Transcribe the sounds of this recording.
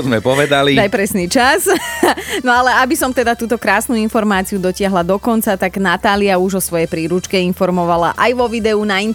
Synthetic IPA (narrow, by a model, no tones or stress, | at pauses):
zmɛpɔʋɛd̪aliajpɾɛsnit͡ʃaz | nɔalɛabisɔmt̪ɛd̪at̪uːt̪ɔkɾaːsnuinfɔɾmaːt͡siud̪ɔcɪaɦlad̪ɔkɔnt͡sat̪aɡnat̪aːliauʒɔsʋɔjɛjpɾiːɾut͡ʃkɛinfɔɾmɔʋala̰ʔajʋɔʋid̪ɛunain